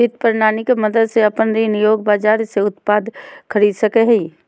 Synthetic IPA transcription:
it̪pəɾnaːnikemɐd̪əd̪seɐpənɾinijoːɡ̚baːd͡ʒaːɾseʊt̪paːd̪kʰəɾiːd̪sɐkeɦiː

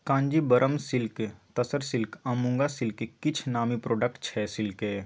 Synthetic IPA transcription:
kãːɲd͡ʒibɐɾʔəmsɪlket̪ɐsəɾsɪlkɐ̃mʊ̃ŋɡasɪlkekɪt͡ʃʰnaːmipɾoːɖək̚ʈt͡ʃʰɛsɪlke

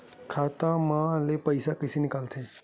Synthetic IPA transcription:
kʰat̪amaəlepəjsakəjsenikalt̪ʰe

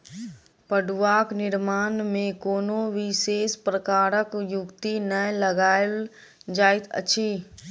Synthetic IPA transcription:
pəɖuʋaːknɪɾmaːnmẽkoːnoʋɪseːspɾəkaːɾəkjʊkt̪inələɡaːɪl | d͡ʒaːɪt̪ʰə̰t͡ʃʰiː

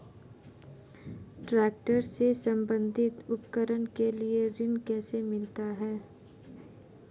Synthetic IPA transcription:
ʈɾɛːk̚ʈəɾsesə̃mbə̃nd̪ʱɪt̪ʊpkəɾənkelieɾɪnkɛːsemɪlt̪aɦɛː

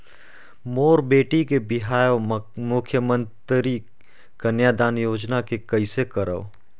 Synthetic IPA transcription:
moːɾbeːʈikebɪɦaːjomʊkʰjəmə̃nt̪ɾi | ɡ̥ɐnjaːd̪aːnjoːd͡ʒnakekɐisekɐɾə̰o

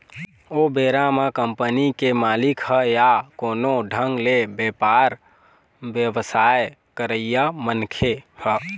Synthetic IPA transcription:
obeɾamekəmpənikemalikhəjakonoɖʱəŋɡlebjepaɾ | bjəbəsaj | kəɾəijamənkʰehə

